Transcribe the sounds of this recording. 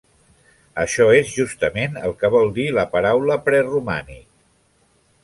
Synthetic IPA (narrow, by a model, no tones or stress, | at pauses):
əʃɔezʒust̪əmenə̰lˠkəβɔlˠd̪iləpəɾawləpɾɛruma̰ni